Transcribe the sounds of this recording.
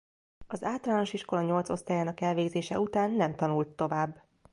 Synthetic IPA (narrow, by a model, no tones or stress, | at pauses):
ɒzaːlt̪ɒlaːno̞ʃiʃko̞lɒɲo̞lt̪so̞st̪aːjaːnɒkɛlveːɡzeːʃɛut̪aːnːɛmt̪ɒnult̪ːo̞vaːbː